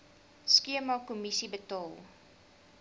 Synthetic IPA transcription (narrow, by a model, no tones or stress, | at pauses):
skiəmɑkumisibətɑːlˠ